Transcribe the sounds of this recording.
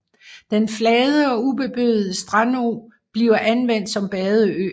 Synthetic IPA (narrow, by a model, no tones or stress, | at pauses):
d̥enflɛːðˠəɒ̽ub̥e̝b̥øð̩ˠəsd̥ʁɑno̰ː | b̥liːʊɐʔænʋen̰d̥sɒ̽mb̥ɛːðˠəø̰ː